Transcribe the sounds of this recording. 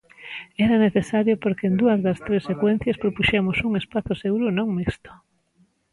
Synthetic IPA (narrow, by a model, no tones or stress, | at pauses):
ɛɾɐneθesaɾjopoɾkeːnd̪uɐzðɐst̪ɾesːekwɛn̟θjɐspɾopuʃemʊsuŋespaθʊseɣuɾʊnõŋmist̪ʊ̥